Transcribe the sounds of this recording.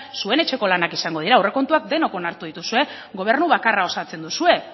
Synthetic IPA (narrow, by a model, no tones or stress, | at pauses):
sue̞ne̞t͡ʃe̞ko̞lanakisaŋɡo̞ð̞iɾaːwre̞ko̞nt̪uak̚d̪e̞no̞ko̞naɾt̪uð̞it̪usue̞ | ɣo̞β̞e̞ɾnuβakarao̞sat͡se̞nd̪usue̞